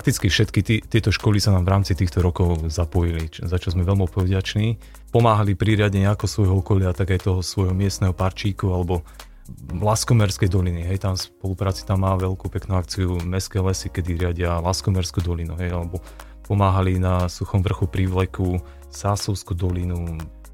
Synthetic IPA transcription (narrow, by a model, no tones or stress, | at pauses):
ak̚t̪it͡skifʃɛt̪kit̪ːt̪ɪɛt̪ɔʃkɔlisanaːmvɾaːmt͡sit̪iːxt̪ɔɾɔkɔʊzapɔjilizat͡ʃazmɛʋɛlmɔtpɔʋɟat͡ʃniː | pɔmaːɦalipɾiɾɪaɟɛɲɛakɔsʋɔjɦɔɔkɔlɪaːt̪aɡajt̪ɔɦɔsʋɔjɦɔmɪɛst̪nɛɦɔpaɾt͡ʃiːkualɛbɔ | laskɔmɛɾskɛjd̪ɔliniɦɛjt̪amspɔlupɾaːt͡si̥t̪amːaːʋɛlkupɛknuak̚t͡siumɛskɛlɛsikɛd̪iɾɪaɟɪalaskɔmɛɾskuːd̪ɔlinuɦɛjalɛbɔ | pɔmaːɦalinasuxɔmʋr̩xupɾiʋlɛku | saːsɔʊskud̪ɔlinu